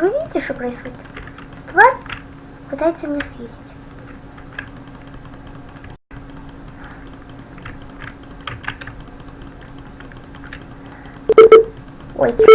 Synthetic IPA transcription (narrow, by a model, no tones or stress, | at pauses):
vɨvʲidʲɪtʲɪʂt̪opɾəɪsxodʲɪt̪ | st̪va | pɨt̪ajɪt̪sʲəmʲɪnʲesjʲezʲɪ̥tʲ | o̰jsʲ